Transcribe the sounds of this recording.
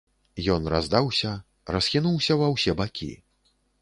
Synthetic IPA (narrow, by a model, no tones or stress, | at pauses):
jɔnrazd̪awsʲɐ | rɐsxʲinuwsʲɐvɐwsʲɛbakʲḭ